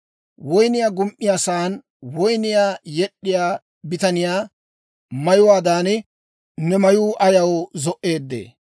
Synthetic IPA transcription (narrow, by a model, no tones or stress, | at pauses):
wɔjnɪjaːɡʊmʔɪjaːsaːn | wɔjnɪjaːjɛɗːɪjaː | bɪt̪ɐnɪjaː | mɐjʊwaːd̪aːnɪ | nɛmɐjuːʔɐjɐwzɔʔe̞ːd̪ːḛː